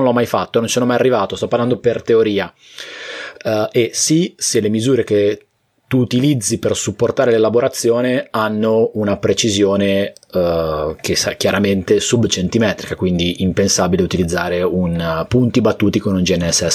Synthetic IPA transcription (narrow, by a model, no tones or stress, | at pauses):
nlɔmːajfat̪ːonont͡ʃsɔnomajarːivaːt̪ost̪ɔpaɾland̪opert̪eoɾiːa | esiselemizuːɾek̟e | t̪uːt̪ilid̪zːipersupːort̪aːɾelelaboɾat̪sːjoːneanːounapɾet͡ʃizjoːne | kesak̟jaɾament̪esubt͡ʃent̪imɛːt̪ɾikakwind̪iʔimpensabileut̪ilid̪zːaːɾeunpunt̪ibat̪ːuːt̪ikonund͡ʒiɛnːɛsːɛsː